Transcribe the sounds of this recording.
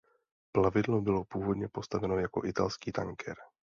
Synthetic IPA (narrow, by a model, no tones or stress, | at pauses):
plavɪdlo̞bɪlo̞puːvo̞dɲɛpo̞st̪avɛno̞jako̞̰ʔɪt̪alskiːt̪aŋkʰɛɾ